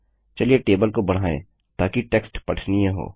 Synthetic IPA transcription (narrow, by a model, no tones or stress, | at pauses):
t͡ʃɐlieʈeːbəlkobɐɽ̤aːḛ̃ː | t̪aːkiʈeːksʈpɐʈʰnijãɦo̰ː